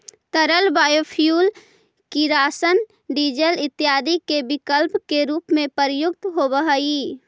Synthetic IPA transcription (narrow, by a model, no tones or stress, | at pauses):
t̪əɾəlbaːjopʰijuːl | kiɾaːsən | ɖid͡ʒəlɪt̪ːjaːd̪ikebɪkəlpkeɾuːpmẽpəɾjʊk̚t̪ɦobəɦəi